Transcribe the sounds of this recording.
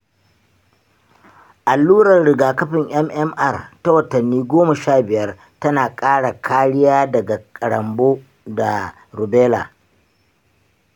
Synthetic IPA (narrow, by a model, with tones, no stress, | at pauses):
ʔa˨lːuː˦ɽɐ˨rɽɪ˨ɡaː˨kɐ˦ɸɪ˨ŋʔɐ˦mʔɛ˦mʔɐ˦˨rta˦wɐ˨tɐ˨nːiː˦ɡʷoː˦mɐ˨ʃaː˦˨bɪ˨jɐ˦r | tɐ˦naː˨kʼaː˦ɽa˨kʰaː˦ɽɪ˦jaː˦dɐ˨ɡa˨kʼɐ˨ɽɐ˨mboː˦ | da˨ | ɾʊ˨beː˦la̰ː˨